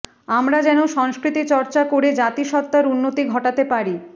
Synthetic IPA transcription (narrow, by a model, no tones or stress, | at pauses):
amɾad͡ʑɛnoʃɔŋskɾit̪it͡ɕɔɾt͡ɕakoɾed͡ʑat̪iʃɔt̚t̪ːaɾunːot̪iɡʱɔʈat̪epaɾi